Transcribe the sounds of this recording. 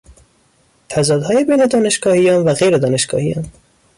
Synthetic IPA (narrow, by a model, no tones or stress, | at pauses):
t̪ʰæzɒːd̪hɒːjebejned̪ɒːneʃɡɒːhijɒːnvæɣejɾed̪ɒːneʃɡ̥ɒ̰ːhijɒ̰ːn